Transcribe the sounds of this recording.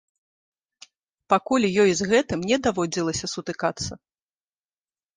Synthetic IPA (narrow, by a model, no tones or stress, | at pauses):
pakulʲjɔjizɣɛt̪ɨmnʲɛd̪avɔd͡zʲilˠɐsʲɐsut̪ɨkat̪sːɐ